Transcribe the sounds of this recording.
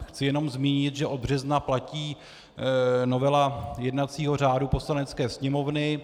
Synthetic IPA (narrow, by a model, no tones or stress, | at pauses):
xt͡sɪjɛno̞mzmiːɲɪt̪ʒɛʔo̞d̪̚br̝ɛznaplaciː | no̞vɛlajɛdnat͡siːɦo̞r̝aːdupo̞slanɛt͡skɛːsɲɛmo̞vnɪ